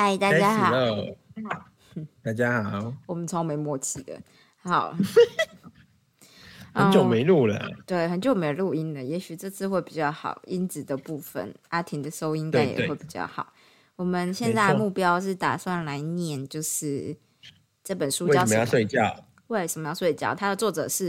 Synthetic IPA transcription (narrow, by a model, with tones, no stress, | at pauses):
a˥˩ɪt̪a˥˩t͡ɕja˥xɑ˨o˥˨ | t̪a˥˩t͡ɕja˦xɑ˨˩wɔ˨˩mə˨˦nt͡sʰo˧ŋ˧me˨˧˥ɪmwɔ˥˧t͡ɕʰi˥˩d̪ə̰˩ | hɑ˨˧˦ʊ | hə˧ə˥n˧t͡ɕjo˨˩me˧˦ɪlu˥˩lə̰˨˩˨t̪we˥˩ɪxə˧˦nt͡ɕjo˨˩ʊme˧˥lu˥˩i˦˥nlə˨jɛ˧˥ɕy˨˩ʈ͡ʂɤ˥˧t͡sʰɹ̩˥˧xwe˥˩ɪpi˨˩t͡ɕjɑ˥˩ʊxɑ̰˨˩˦ʊi˦˥nt͡sɹ̩˨˩d̪ə˩pu˥˩fə̰˨˩na˥t̪ʰi˧ŋd̪ə˨ʂo˥ʊi˥nk̪a˥njɛ̰˨˧we˥˩ɪpi˨˩t͡ɕjɑ̰˥˩ʊxɑ̰˨˩ʊ | wɔ˨˩mə˨nɕjɛ˥˧nt͡sa˥˩ɪə˨mu˥˩pjɑ˥ʊʂ̬ɻ̩˥˩t̪a̰˨˩swa˥˩nla˧˦ɪnjɛ˥˩nt͡ɕjo˥˧ʊʂɻ̩˥˩ | ʈ͡ʂɤ˥˩pə˨˩nʂu˥˦˥jmə˦jɑ˥˧ʊswe˥˧ɪt͡ɕjɑ˥˩ʊ | we˥˩ʂə˨˩mə˦jɑ˥˧ʊswe˥˧˩t͡ɕjɑ̰˥˩ʊt̪ʰa˥d̪ə˨t͡swɔ˥˩ʈ͡ʂɤ̰˨˩ʂɻ̩˥˩